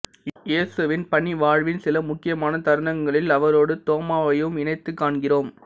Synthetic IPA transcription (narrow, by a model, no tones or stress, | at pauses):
jeːsɯʋɪnpɐɳiʋaːɻʋɪnsɪlɐmʊkːɪjɐmaːnɐt̪ɐɾɯnɐŋɡɐɭɪlɐʋɐɾoːɽɯt̪oːmaːʋɐjɯmɪnɐɪt̪ːɯkːaːɳɡɪroːm